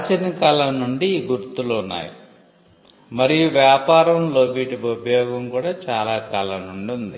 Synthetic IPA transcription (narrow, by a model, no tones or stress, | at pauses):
t͡ʃɐnikaːlɐmnuɳɖiːɡuɾt̪uluunːa̰ːjḭ | mɐɾijuʋjaːpaːɾɐmlo̞ːbiːʈibɐubʱɐjɔːɡɐmkuːɽaːt͡ʃaːlaːkalɐnuɳɖund̪i